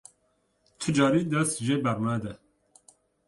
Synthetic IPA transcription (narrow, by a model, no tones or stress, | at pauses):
t̪ʰɨd͡ʒɑːɾiːd̪ɛst̪ʒebɛɾnæd̪ɛ